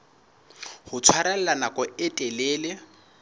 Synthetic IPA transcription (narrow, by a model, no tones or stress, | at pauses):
hʊt͡sʰwaɾɛl̩lanakʼɔɪtʼeleːlɪ